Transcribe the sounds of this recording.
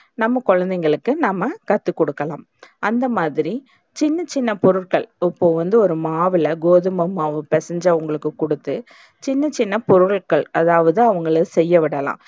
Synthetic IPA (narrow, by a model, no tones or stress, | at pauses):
nɐmːɐkɔɻɐnd̪ɛŋɡɐɭɯkːɯnɐmːɐkɐt̪ːɯkɔɽɯkːɐlã̰ːm | ʔɐnd̪ɐmaːðɪɾi | t͡ʃɪnːɐt͡ʃːɪnːɐpɔɾɯʈkɐɭɪpːoːʋɐnd̪ɯɔɾɯmaːʋɪlɐɡoːðɯmɐmaːʋɯpɛsɐɲd͡ʒɐʋʊŋɡɐɭɯkːɯkɔɽɯt̪ːɯ | t͡ʃɪnːɐt͡ʃɪnːɐpɔɾɯɭkɐɭɐðaːʋɐðɯɐʋɐŋɡɐɭɯsɛjːɐʋɪɽɐlã̰ː